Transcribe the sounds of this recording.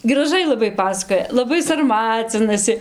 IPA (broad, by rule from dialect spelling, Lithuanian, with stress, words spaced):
ɡrɐˈʒɐɪ lˠɐˈbɐɪ ˈpɑːsɐkoːjɛ lˠɐˈbɐɪ sɐrˈmɑːt͡sʲɪnɐsʲɪ